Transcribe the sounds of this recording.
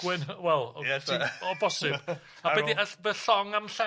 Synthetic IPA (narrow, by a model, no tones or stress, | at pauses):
wɪnwɛlˠɛtɔbɔsɨb | abɛdiəbəɬɔŋamɬɛ